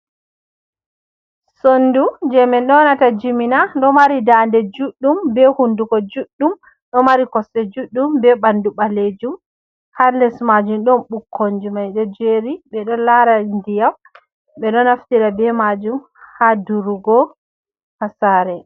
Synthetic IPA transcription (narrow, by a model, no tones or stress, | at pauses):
sondud͡ʒɛmɛnɗɔnatad͡ʒiminanɗɔmaɾidandɛd͡ʒuɗːumbɛhundukɔd͡ʒuɗːum | ɗɔmaɾikɔsɛd͡ʒuɗːumbɛɓanduɓaled͡ʒum | halɛsmad͡ʒumɗɔnɓukʰːoɲd͡ʒumajɗɔd͡ʒeɾiɓɛɗɔlaɾandijaw | ɓɛɗɔnaftiɾabɛmad͡ʒum | haduɾuɡɔ | hasaɾɛ